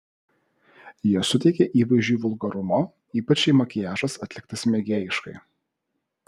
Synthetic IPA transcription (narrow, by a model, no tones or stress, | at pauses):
jiɛsʊt̪ʲɛɪkʲɛʔiːʋɐɪʒʲuːʋʊlˠɡɐɾʊmo | iːpɐt͡ʃʲɛɪmɐkʲɪjæːʒɐsɐt̪ʲlʲɪk̚t̪ɐsmʲɛɡʲeːjɪʃkɐ̰ɪ